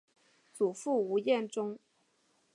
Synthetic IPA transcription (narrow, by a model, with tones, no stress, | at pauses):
t͡su˨˩fu˥˩u˧˥jɛ˥˩nʈ͡ʂʊ˥ŋ